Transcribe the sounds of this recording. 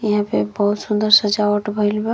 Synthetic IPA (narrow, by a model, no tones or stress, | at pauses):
jiɦãpebəɦut̪sund̪əɾsəd͡ʒaəʈbʱəɪlbe